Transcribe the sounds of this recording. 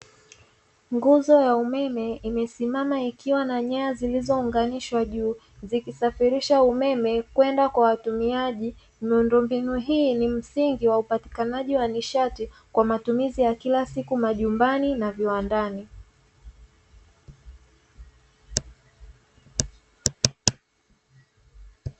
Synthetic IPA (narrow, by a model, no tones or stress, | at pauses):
ŋɡuzɔjaumɛmɛimɛsimamaikiwanaɲɛazilizɔuŋɡaniʃwaʄuː | zikisafiɾiʃaumɛmɛkwɛndakwawatumiaʄi | miundɔmbinuɦiːnim̩siŋɡiwaupati̥kanaʄiwaniʃati | kwamatumizijakilasikumaʄumbaninaviwandani